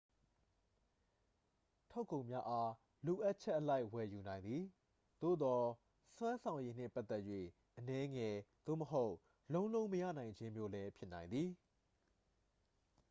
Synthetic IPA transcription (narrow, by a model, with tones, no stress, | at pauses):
tʰo˦ʊkːõ˨ʊ̃mja˦ʔa˦ | lo˨ʔa˦ʔ̚t͡ɕʰɛ˦ʔəla˦ɪwɛ˨ju˨nã˨ɪ̃nd̪ði˨ | d̪̥o̰˦˨d̪ɔ˨ | swã˦nsʰã˨ʊ̃je˦n̥ɪ̰̃˦˨pa˦t̪ɛ˦ʔjwḛ˦˨ | ʔənɛ˦ŋɛ˨d̪̥o̰˦˨məɦo˦ʊʔ | lõ˦ʊ̃lõ˦ʊ̃məjä̰˦˨nã˨ɪ̃ɲd͡ʑɪ̃˦mjo˦lɛ˦pʰjɪ˦ʔnã˨ɪ̃nd̪ði˨